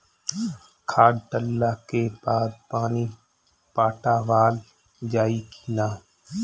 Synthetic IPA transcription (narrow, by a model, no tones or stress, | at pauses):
kʰaːɖʈəlːaːkeːbaːd̪̚paːniː | paːʈaːʋaːl | d͡ʒaːiːkʰiːnaː